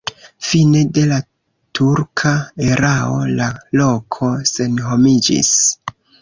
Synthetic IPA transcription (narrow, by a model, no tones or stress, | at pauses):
fine̞de̞la | tʰuɾkʰae̞ɾao̞̰lalo̞kʰo̞se̞nɦo̞mid͡ʒḭs